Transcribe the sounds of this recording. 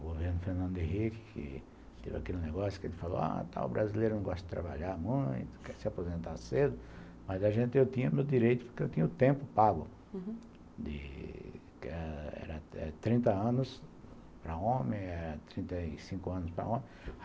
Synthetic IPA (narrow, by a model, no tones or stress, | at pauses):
ɡoveɾnʊfeɾnɐ̃nd̪ʊɪɦikɪ̥kʰɪ̰ | t̪ḛvɪa̰kelɪneɡɔsjʊ̥kɪelɪfalo̰a̰t̪a̰ʊ̰bɾʔazilejɾʊnɐ̃w̃ɡɔst̪ɐd̪ɪt̪ɾa̰ba̰ʎamũj̃t̪ʊ̥kɛɾsɪapozẽnt̪ased̪ʊ | mɐzaʒẽnt̪ɪewt̪ĩɲɐmewd̪iɾejt̪ʊ̥poɾkeewt̪ĩɲɐʊt̪ẽmpʊpaɡʊ | d̪ɪ̰ | kɛɛ̰ɾɐɛ̰t̪ɾĩnt̪ɐɐ̃nʊs | pɾɐõmẽj̃ɛɾɐt̪ɾĩnt̪ɐsĩkʊɐ̃nʊspɾɐ̰õmẽj̃